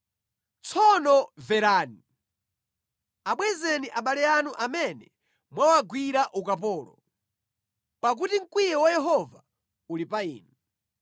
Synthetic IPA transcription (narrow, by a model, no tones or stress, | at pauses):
t͡sʰɔnɔvɛɾaːni | aɓwɛzɛniʔaɓalɛanuʔamɛnɛ | mwawaɡwiɾaʔukapɔːlɔ̰ | pak̬utiŋ̩kwijɛwajɛɦɔva | ulipaḭːnu